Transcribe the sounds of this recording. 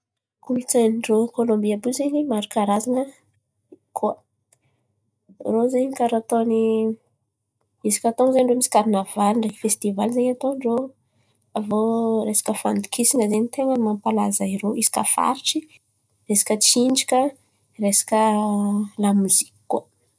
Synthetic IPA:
kulut͡sanɳɖ͡ʐokolombiabuzeɲimaɾukaɾazaŋə | kʰuə | rozeɲkaɾat̪oni | isi̥kʲat̪ozeɲɳɖ͡ʐomisi̥kaɾinavaliɳɖ͡ʐeki̥fest̪ivalzeɲat̪oɳɖ͡ʐo | avoɾesḁkəfand̪u̥kisiŋəzeɲit̪eŋəmampalazaiɾoisi̥ka̰fa̰ɾiʈ͡ʂi | resḁkʲət͡siɳɖ͡ʐikʲə | resḁkə | lamuzi̥ki̥kːuə

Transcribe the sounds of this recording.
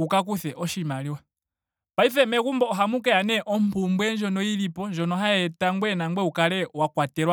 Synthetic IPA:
ukak̬uθɛʔɔʃimaliwa | paifɛmɛkumbɔɔɦamukɛanɛʔɔm̩pumbwɛnd͡ʒɔnɔilipɔnd͡ʒɔnɔɦaɛtaŋɡwɛnaŋɡwɛukalɛwakwatɛɾwa

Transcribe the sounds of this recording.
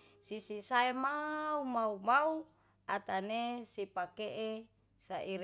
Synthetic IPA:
sisisaemaumaumau | at̪anesipakeʔe | saʔiɾ

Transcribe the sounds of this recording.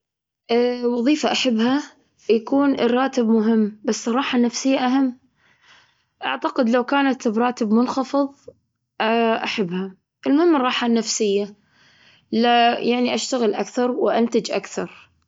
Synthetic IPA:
ʔwɑðˤiːfaʔaħabːha | jakuːnrˤːɑːt̪ɪbmʊɦɪmːbasːrˤːɑːħanːafsɪjːaʔaɦamː | ʔa̰ʕt̪aqɪd̪lawkaːnat̪bɾˤɑːt̪ɪbmʊnxɑfɨðˤ | ʔaʔaħabːha | ʔɪlmʊhɪmːrˤɑːħanːafsɪjːa | lajʔaʕniʔaʃt̪aɣɪlʔakθɑɾˤwɪʔant̪ad͡ʒʔa̰kθɑɾˤ

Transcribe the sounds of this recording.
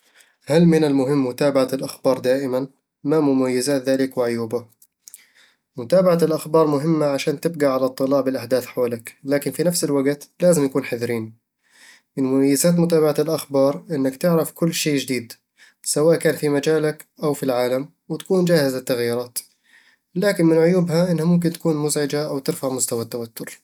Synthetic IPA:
halmɪnalmʊɦɪmːʊt̪aːbaʕalʔaxbɑːɾˤd̪aːʔɪman | mamʊmajːɪzaːt̪ðaːlɪkwɪʕʊjuːba | mʊt̪aːbaʕalʔaxbɑːɾˤmʊɦɪmːaʕaʃaːnt̪ɪb̚ɡaʕalat̪ˤːɨlɑːʕbɪlʔaħd̪aːθħawaːlaklaːkɪnfinafsɪlwaɡt̪laːzɪmjakuːnħaðɾiːn | mɪnmʊmajːɪzaːt̪̬mʊt̪aːbaʕalʔaxbɑːɾˤʔɪnːakt̪ɪʕɾɑfkʊlːʃeːd͡ʒɪd̪iːd̪ | sawaːʔkaːnfimad͡ʒaːlakʔawfilʕaːlam | wɪt̪ḁkuːnd͡ʒaːhɪzat̪ːaɣjɪɾˤɑːt̪ | laːkɪnmɪnʕʊjuːbhaʔɪnːhamʊmk̬ɪnt̪ḁkuːnmʊzʕɪd͡ʒaʔawt̪ɪɾfaʕmʊst̪awat̪ːawat̪ʰːʊɾ

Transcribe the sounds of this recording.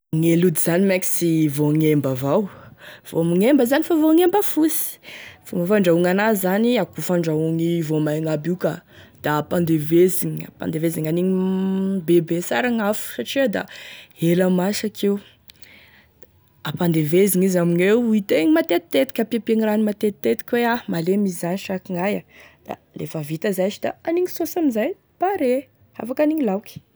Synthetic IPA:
ŋelud̪izanimɛki̥sivoŋembavawv̥oamiŋembəzanifavoŋembəfusi̥fumafaɳɖ͡ʐauŋanazaniakufaɳɖ͡ʐauŋivomajŋabukə | d̪̥aapand̪eveziŋia̰pa̰nd̪eveziŋaniɲibebesaɾaŋafu̥saʈ͡ʂid̪a̰elamasakʰew | apand̪eveziŋizaminewuit̪eɲimat̪et̪i̥t̪et̪i̥kʲapiapieŋiɾanimat̪et̪it̪ːet̪i̥kʲweamalemizaniʃakiŋajad̪̥a̰ | lḛfəvit̪əzat͡ʃid̪a̰aniɲisosamizaj | paɾe | a̰fakaniŋilawki̥

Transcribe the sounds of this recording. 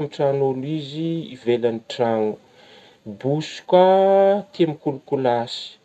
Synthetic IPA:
miʈ͡ʂanoliziːvelaniʈ͡ʂanu̥ | busu̥kwat̪iamikulukulasi̥

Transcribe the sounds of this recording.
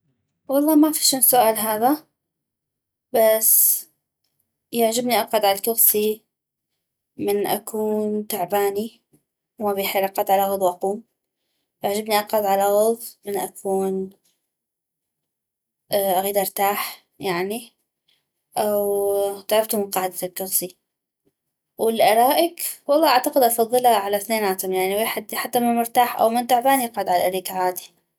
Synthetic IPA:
wɑlˤːɑːmafiʃuːnsʊʔaːlɦaːða | bas | jaʕd͡ʒɪbniʔɑqɑd̪ʕalakʊɣsi | mɪnʔa̰kʰuːnt̪aʕbaːni | wmabiːħelʔaqɑd̪ʕalaɣʊðˤwʔaquːm | jaʕd͡ʒɪbniʔɑqɑd̪ʕalaɣʊðˤmɪnʔakʰuːn | ʔʔaɣiːd̪ʔɑɾt̪aːħ | jaʕni | ʔawt̪aʕɑft̪ʊmɪnqɑːʕɪd̪alkɑɾsˤi | wɪlʔɑɾˤɑːʔɪkwɑlˤːɑːʔaʕt̪aqɪd̪ʔɑfɑðˤːɨlaʕalaθneːnʔaːt̪amjaʕniweːħɪd̪ħat̪ːamɪnmʊɾt̪aːħʔa̰wmɪnt̪aʕbaːniʔɑqʕad̪ʕalaʔaɾiːkʕaːd̪i̥

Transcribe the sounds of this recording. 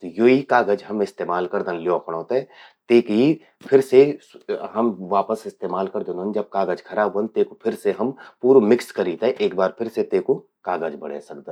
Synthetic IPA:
t̪ojoːikaːɡəd͡ʒɦɐmɪst̪eːmaːlkɐɾd̪ə̃nljoːpʰəɽ̃ɦoːt̪aɛ | t̪eːki | pʰɪɾse | ɦɐmʋaːpəsɪst̪eːmaːlkɐɾd̪onənd͡ʒɐb̚kaːɡəd͡ʒkʰɐɾaːbə̃nt̪eːkopʰɪɾseɦɐmpuːɾomɪkskɐɾiːt̪ɛʔeːkbaːɾpʰɪɾset̪eːko | kaːɡəd͡ʒbɐ̰ɽ̤ḛːsɐk̚d̪ə̃

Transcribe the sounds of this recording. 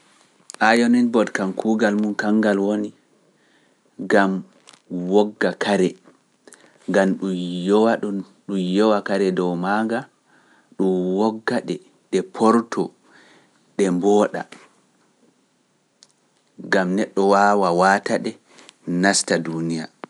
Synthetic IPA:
ʔajɔnɛnbɔdkankʰuːɡalmunkaŋɡalwoni | ɡam | wɔɡːakaɾɛ | ŋɡamɗujɔwaɗun | ɗujɔwakaɾɛdɔwmaːŋɡa | ɗumwɔɡːaɗɛ | ɗɛpʰɔɾtɔ | ɗɛmbɔɗa̰ | ɡamnɛɗːɔwaːwawataɗɛ | nastadunija̰

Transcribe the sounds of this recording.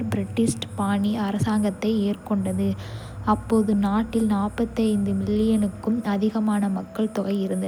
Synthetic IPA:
ɾbɪɾɪʈːɪsʈpaːɳiɐɾɐsaːŋɡɐt̪ːɐɪeːrkɔɳɖɐðɯ | ɐpːoːðɯnaːʈːɪlnaːpːɐt̪ːɐɪnd̪ɯmɪɭːɪjɐnɯkːɯmɐðɪɣɐmaːnɐmɐkːɐɭt̪ʊɣɐɪɪɾɯnd̪ɐ

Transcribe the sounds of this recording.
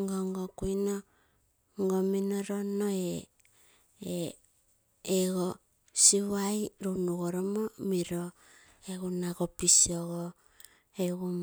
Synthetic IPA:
ŋɡoŋɡokujno | ŋɡominoɾonoe | eɡo | siβajɾunuɣoɾomomiɾo | eɣunaɡopisioɣo | eɡum

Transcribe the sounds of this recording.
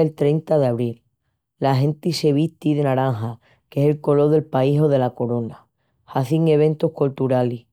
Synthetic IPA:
elt̪ɾe̞jnt̪aðeaβɾilː | aɦẽ̞nt̪iseβ̞it̪iðe̞naɾaŋɦa | ke̞selko̞lo̞ðe̞lpaiɦo̞ðe̞lako̞ɾo̞na | haθiŋe̞β̞ẽ̞nt̪ohkolt̪uɾali

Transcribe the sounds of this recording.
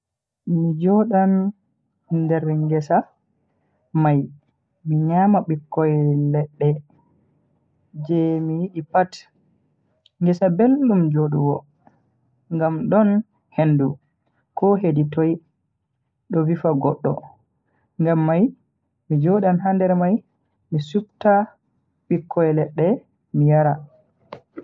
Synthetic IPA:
mid͡ʒɔɗan | ndɛɾŋɡɛsa | maj | miɲamaɓikːɔjlɛɗːɛ | d͡ʒɛmijiɗipat | ŋɡɛsabelːumd͡ʒoɗuwɔ | ŋɡamɗɔn | hendu | kʰɔɦeditoj | ɗɔvifaɡɔɗːɔ̰ | ŋɡamːaj | mid͡ʒoɗanɦandɛɾmaj | misub̚ta | ɓikʰːɔjɛlɛɗːɛ | mijaɾa

